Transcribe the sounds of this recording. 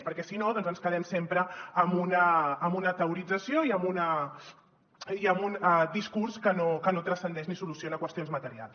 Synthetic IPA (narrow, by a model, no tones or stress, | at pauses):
pəɾkɛsinoðɔnzənskəðɛmsempɾəːmbunəːmbunət̪əuɾid͡zəsioiəmbunə | iəmbund̪iskuɾskənokənot̪ɾəsənd̪ɛʃnisulusionəkwəst̪ionzmɐt̪əɾia̰lˠs